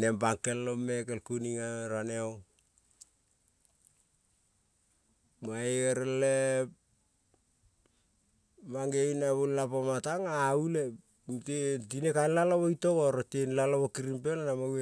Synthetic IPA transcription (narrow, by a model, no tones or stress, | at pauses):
nembaŋkelːomekelkuniŋaɾaneo | maeeɾele | maŋɡeinaβullapomataŋaule | tetinekanlaloβojtokoɾotenlaloβokiɾimpelanamawe